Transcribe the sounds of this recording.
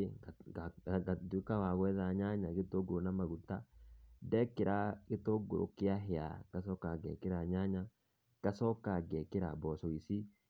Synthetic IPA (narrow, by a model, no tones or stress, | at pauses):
d̪ukawaɡɔɛðaɲaːɲaɡɪt̪ːoɡuɾnɐmɐɡʊt̪ːad̪ɛkːɪɾakɪt̪ːoɡʊɾɔ̰kːɪaɦɪja̰kɐsɔkːaɡɛ̰kːɪɾaɲaːɲa | kɐsɔkːaːɡɛkːɪɾa̰bɔːsɔisi